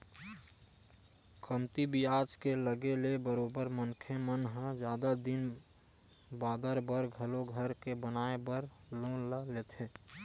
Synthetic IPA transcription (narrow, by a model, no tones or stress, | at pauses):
kʰəmt̪ibijaːt͡ʃkeləɡelebəɾoːbəɾmənkʰemənɦə̃d͡ʒjaːd̪ad̪ɪn | baːd̪əɾbəɾɡʱəloɡʱəɾkebənaːebəɾ | lõːləleːt̪ʰeː